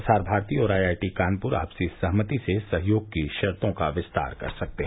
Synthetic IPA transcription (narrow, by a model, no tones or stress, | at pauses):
saːɾbʱaːɾt̪iɔːɾaːjaːjʈikaːnpʊɾa̰ːpsesɐɦmət̪isesɐɦjoːɡ̚kiʃɐɾt̪õkaʋɪst̪a̰ːɾkɐ̰ɾsɐk̚t̪eɦ